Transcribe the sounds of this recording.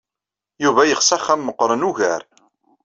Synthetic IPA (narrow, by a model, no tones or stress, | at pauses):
juvæjəχsæχæmːəqːɾˤənuʝæɾ